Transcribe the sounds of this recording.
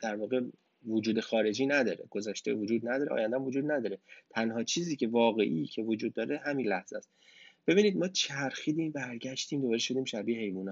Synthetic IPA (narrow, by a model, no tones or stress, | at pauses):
d̪̥æɾvɒːɣe | vod͡ʒuːd̪e̞xɒːɾe̞d͡ʒiːnæd̪ɒːɾe̞̰ɡ̥o̞zæʃt̪evod͡ʒuːd̪næd̪ɒːɾeɒ̰ːjænd̪æmvod͡ʒuːd̪̚næd̪ɒːɾet̪ʰænɦɒːt͡ʃʰiːziːcʰe̞vɒːɣe̞ʔicʰe̞vod͡ʒuːd̪̚ːɒːɾeɦæmiːnlæhz̥æst̪b̥e̞biːniːd̪̚mɒːt͡ʃʰæɾxiːd̪iːbæɾɟæʃt̪iːmd̪obɒːɾeʃo̞d̪iːmʃæbiːehe̞jvuːnɒː